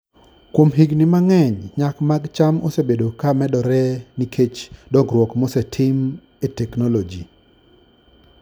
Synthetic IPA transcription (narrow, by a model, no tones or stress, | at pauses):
kwomɦiɡnɪmaŋɛɲɲakmaɡt͡ʃamosebedokamɛdɔɾɛnikʰet͡ʃdɔɡɾwɔkmosɛtʰɪm | etɛknɔlɔd͡ʒi